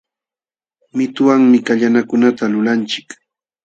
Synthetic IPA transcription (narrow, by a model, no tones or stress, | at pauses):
mɪt̪ʊwaŋmɪkaʎanakʊnat̪alʊlant͡ʃɪ̥k